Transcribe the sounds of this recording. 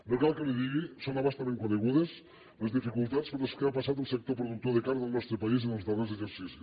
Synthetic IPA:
lokalkeleðiɣisoŋaβast̪amẽŋkoðeɣuðes | lezðifikult̪at̪skonleskeapasat̪elˠsek̚t̪op̬ɾoðuk̚t̪oðekaɾɣelˠnɔst̪ɾepais̬inelzðarezðeseɾsisu

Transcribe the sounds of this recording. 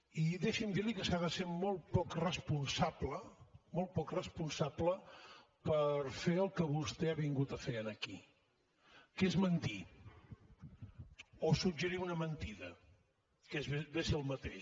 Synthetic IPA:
iðeʃimd̪iɾlikəsaðəsemɔlˠt̪pɔkrəspunsapləmɔlˠt̪̚pɔkrəspunsablə | pəɾfeəlˠkəβust̪eaβiŋɡut̪əfeənəki | kezmənt̪i | osud͡ʒəɾiunəmənt̪iðə | kezbesiəlˠmət̪eʃ

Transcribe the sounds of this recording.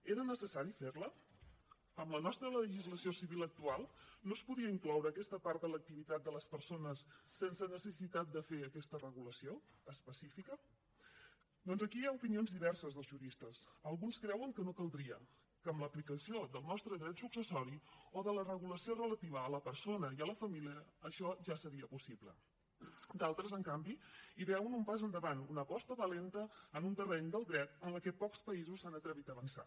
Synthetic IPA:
eɾənəsəsaɾifeɾlə | əmlənɔst̪ɾələəʒizləsiosiβilək̚t̪ualˠnospuðiəiŋklɔwɾəːkɛst̪əpaɾt̪̚d̪ələk̚t̪iβit̪at̪̚d̪ələspəɾsonəsːensənəsəsit̪at̪̚d̪əfeəkɛst̪ərəɣuləsioəspəsifikə | d̪ɔnzəkiaupinionzðiβɛrsəzðəlˠzʒuɾist̪əsəlˠɣunskɾɛwəŋkənokəlˠd̪ɾiə | kəːmləplikəsiod̪əlˠnɔst̪ɾəðɾɛt̪suksəsɔɾioðələrəɣuləsiorələt̪iβəːləpəɾsonəiələfəmiliəːʃɔʒasəɾiəpusiβlə̰ | d̪alˠt̪ɾəzəŋkambiiβɛwənumpazənd̪əβanunəpɔst̪əβəlent̪əːnunt̪ərɛɲd̪əlˠd̪ɾɛt̪ənləkɛpɔkspəizusanət̪ɾəβ̞it̪əβənsa̰

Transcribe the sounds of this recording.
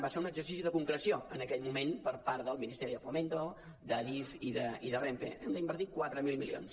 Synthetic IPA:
baseɾunəɡzəɾsis̬iðəkuŋkɾəsioənəkɛʎmumenpəɾpaɾðəlˠminist̪ɛɾiðəfument̪o | d̪əðifiðəiðəreɱfḛɛmd̪əimbəɾt̪ikwat̪ɾəmilˠmilio̰ns

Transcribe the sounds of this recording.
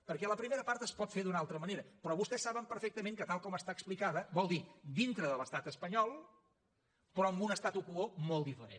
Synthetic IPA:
pəɾkɛləpɾimeɾəpaɾt̪əspɔt̪feðunalˠt̪ɾəməneɾəpɾɔβust̪ɛsːaβəmpəɾfek̚t̪əmeŋkət̪alˠkɔməst̪aːksplikaðəβɔlˠd̪id̪int̪ɾəðələst̪at̪əspəɲɔlˠ | pɾɔəmbunəst̪at̪ukuomolˠd̪ifəɾḛn

